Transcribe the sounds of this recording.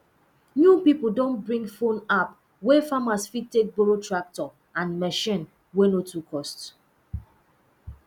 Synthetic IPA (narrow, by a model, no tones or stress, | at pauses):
njupipl̩dõnbɹĩŋɡfõnap | wefamasfitːek̚boɹotɹak̚tɔ | ãnmɛʃĩn | wenotʰukʰɔst